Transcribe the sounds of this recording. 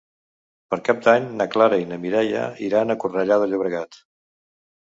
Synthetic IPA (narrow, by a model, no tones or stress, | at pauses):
pəɾkap̚d̪aɲnəklaɾəinəmiɾɛjə̰iɾanəkurəʎaðəʎuβ̞ɾəɣat̪